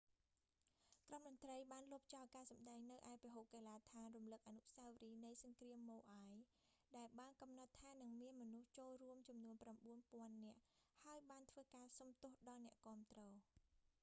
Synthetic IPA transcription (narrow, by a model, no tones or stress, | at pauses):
kromɗɔnt̪rəjɓaːnlʊ̆əp̚t͡ɕɑɔlkaːsɑmɗaɛŋnɨwʔaɛpiɦoːp̚keːlaːt̪ʰaːnrumlɨk̚ʔaːnuʔsawriːnɨjsɑŋkriəmːoːʔaj | ɗaɛlɓaːnkɑmnɑt̪ʰːaːnɨŋmiənmɔnuht͡ɕoːlruəmt͡ɕɑmnuənpramɓuənpŏənːɛ̆əʔhaəjɓaːnt̪ʰʋəːkaːsɑmt̪ʊ̆əhɗɑːlnɛ̆əʔkŏəmt̪rɔː